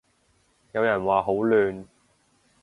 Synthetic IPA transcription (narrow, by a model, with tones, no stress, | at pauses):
jɐ˨˧wjɐ˨˩nwaː˨ɦo˨˥wlyː˨n